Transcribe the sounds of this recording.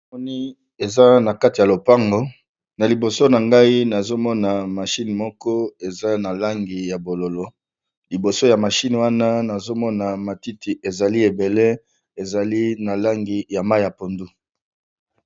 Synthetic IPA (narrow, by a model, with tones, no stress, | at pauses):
a˨mɔ˦ni˦ | e˨za˦na˨ka˦ti˨ja˨lo˨pa˦ŋɡo˨ | na˨li˨bo˨so˦na˨ŋɡa˦i˦na˨zo˦mɔ˦na˨ma˨ʃi˦n˨mɔ˦kɔ˦e˨za˦na˨la˦ŋɡi˨ja˨bo˨lo˨lo˦ | li˨bo˨so˦ja˨ma˨ʃi˦n˨wa˦na˦na˨zo˦mɔ˦na˨ma˨ti˦ti˨ʔe˨za˨li˦e˨be˨le˦ | e˨za˨li˦na˨la˦ŋɡi˨ja˨ma˦ja˨po˨ndu˦